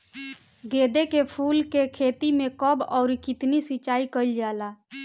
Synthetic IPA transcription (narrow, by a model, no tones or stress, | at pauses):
ɡed̪ekepʰuːlkekʰet̪imekəbɔʊɾikɪt̪nisit͡ʃaːikəɪld͡ʒala